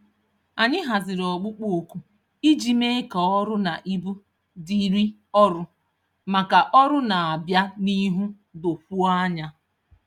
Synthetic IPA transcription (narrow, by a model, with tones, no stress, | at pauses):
a˨ɲɪ˦ɦa˨zɪ˨ɾɔ˨ɡ͡bʊ˦k͡po˨ku˦ | i˦d͡ʒi˨me˦e˦kɔ˨ɔ˦ɾʊ˦na˨ʔi˦bu˦ | di˨ɾi˦ | ɔ˦ɾʊ˦ | ma˨ka˨ʔɔ˦ɾʊ˦na˨a˨bja˦ni˦ɦu˦ | do˨fu˦ɲa˦